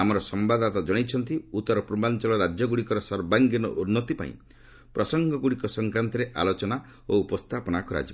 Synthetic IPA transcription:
amɔɾɔsɔmbad̪at̪ad͡ʒɔɽ̃it͡ʃʰɔnt̪iut̪ːɔɾɔpɾubant͡ʃɔɭɔɾad͡ʒjɔɡuɽikɔɾɔsɔɾbaŋɡinɔ̰ʔunːɔt̪ipa̰ḭ̃ | pɾɔsɔŋɡʱɔɡuɽikɔsɔŋkɾant̪ɔɾeʔa̰lot͡ʃɔna | oupɔst̪ʰapɔnakɔɾa̰d͡ʒi

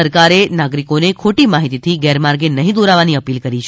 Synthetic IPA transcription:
əɾkaɾenaɡɾikonekʰoʈimaɦit̪it̪ʰiɡɛɾmaɾɡenəɦĩd̪oɾaʋaniəpilkəɾit͡ʃʰ

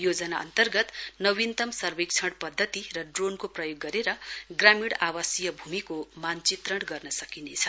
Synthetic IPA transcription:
jod͡zʌnaʌ̰nt̪ʌrɡʌt̪nʌwint̪ʌmsʌrbik̚t͡sʰʌɽpʌd̪ʱːʌt̪irʌɖronkoprʌjoɡːʌɾeɾʌɡramiɽawasjʌbʱumikomant͡sit̪rʌɽɡʌrnʌsʌkinet͡sʰʌ̥

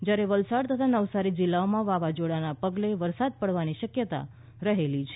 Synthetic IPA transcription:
d͡ʒjaɾeʋəlsaɽt̪ət̪ʰanəʋsaɾid͡ʒɪlːaomãʋaʋad͡ʒoɽanapəɡleʋəɾsad̪̚pəɽʋaniʃəkjət̪a̰ | ɾəɦelit͡ʃʰe

